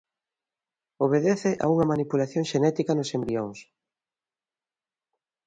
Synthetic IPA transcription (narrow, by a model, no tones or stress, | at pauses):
oβ̞eðeθɪʔa̰uŋɐmanipulaθjoŋʃenɛt̪ikɐnʊsembioŋs